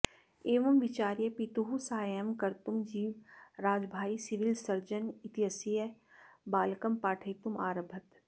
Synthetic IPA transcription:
eːʋɐmʋɪt͡ʃaːɾjəpit̪uɦusaːjəmkɐɾt̪umd͡ʒiːʋɾaːd͡ʒbʱaːisɪʋɪlsɐɾd͡ʒənɪt̪jəsijə | baːlkɐmpaːʈʰəjt̪uma̰ːɾəbʱɐt̪

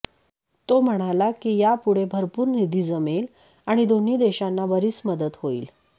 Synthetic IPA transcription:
t̪om̤əɽ̃alakiːjapuɽ̤ebʱəɾpuːɾnid̪ʱiːd͡zəmel | aɽ̃id̪oniːd̪eɕanːaʋəɾiːt͡sməd̪ət̪hoḭːl

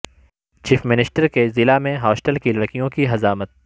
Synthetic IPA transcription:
t͡ʃiːfmɪnɪsʈəɾkezɪlamẽɦɔːsʈəlkilɐɽkijõkiɦɐzaːmət̪̚

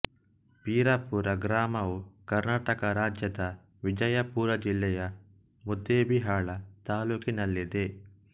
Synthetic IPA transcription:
piːɾapuːɾɐɡɾaːmɐʋukɐɾnaːʈɐkɐɾaːd͡ʒjɐd̪ɐ | ʋid͡ʒɐjɐpuːɾɐd͡ʒilːɛjɐ | mud̪ːeːbiɦaːɭɐt̪aːluːkinɐlːid̪e

